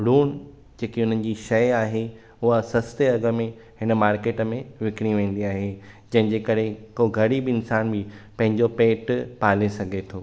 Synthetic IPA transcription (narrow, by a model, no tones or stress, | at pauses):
ɾuːn | d͡ʑeːkiʊn̤ənɪ̆d͡ʑiːʃɐjaːɦe | ʊɦasɐst̪eɐɡə̆mẽ | ɦɪnə̆maːɾkeːʈmẽʋɪkɪɽ̃iʋẽːn̆d̪iaːɦed͡ʑɐ̃ɦɪ̃ɲd͡ʑeːkɐɾekoːɡʱɐɽibɪɪnsaːnbipɐ̃ɦɪ̃ɲd͡ʑopeːʈpaːlesɐɡʱet̪ʰoː